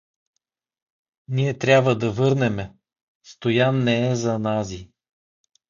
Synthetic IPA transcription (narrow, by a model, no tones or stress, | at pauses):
niɛt̪ɾʲjabvəd̪ɐvɤɾnɛmɛ | st̪ojanːɛːzɐnazi